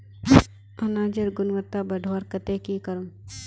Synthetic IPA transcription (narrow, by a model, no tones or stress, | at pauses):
ɐnaːd͡ʒɐɾɡʊnʋət̪ːabɐɖʱʋaɾkɐt̪eːkikɐɾum